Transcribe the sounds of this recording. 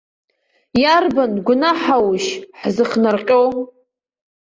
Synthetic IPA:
jarbanɡʷʊnaħawʃħzɨχnarqʲʼow

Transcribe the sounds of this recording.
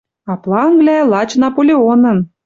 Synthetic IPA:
ɑplˠɑəŋɡlælˠɑt͡ɕnɑpolʲeonə̆n

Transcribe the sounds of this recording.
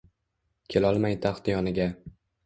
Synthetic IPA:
kʲʰe̞lɒlˠmajt̪ʰaχt̪jɒnɪɡʲa

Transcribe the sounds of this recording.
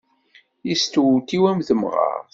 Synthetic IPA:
jist̪uwt̪iwæmθəmʁɑ̰ɾ

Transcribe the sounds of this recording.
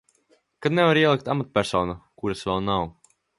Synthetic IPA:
kad̪nɛvaɾiɛlˠik̚t̪amat̪̚pʲæɾsɔwnukuɾasvɛlˠnaw

